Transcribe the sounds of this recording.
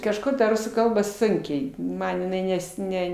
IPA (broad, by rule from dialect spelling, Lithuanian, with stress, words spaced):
kɐʃˈkoː tɐ ˈrʊsuː ˈkɐlˠbɐ ˈsʊŋʲkʲɛɪ ˈmɐn jɪˈnɐɪ ˈnʲɛs ˈnʲɛ